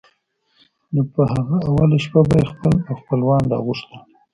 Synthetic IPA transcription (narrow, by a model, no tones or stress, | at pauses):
nopəhaɣaawalaʃpabajexpəlaxpəlwɑndɑ̰ɣuʂt̪a